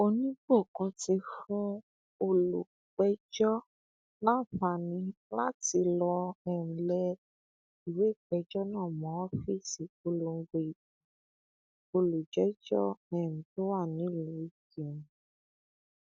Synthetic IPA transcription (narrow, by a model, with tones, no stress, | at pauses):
o˧nĩ˦ɡ͡bo˦˨kã˧ti˧fũ˦ | o˧lu˨ | k͡pɛ˨˦d͡ʒɔ˦ | nã˦˨fa˨nĩ˨˦la˦ti˧lɔ˧ɛ˨ñ̩˨lɛ˧ | i˨we˨˦˨k͡pɛ˧˦d͡ʒɔ˦nãː˦˨mɔ̃˨˦wɔ˦fi˦˨si˨˦ko˧lo˧ŋ̩˦ɡ͡be˧˨ | i˨ | o˧lu˨d͡ʒɛ˨˦d͡ʒɔ̰˦ɛ˨ñ̩˨to˦wa˦˨nĩ˨˦˨lũ˨˦i˦˨ki˨nũ˨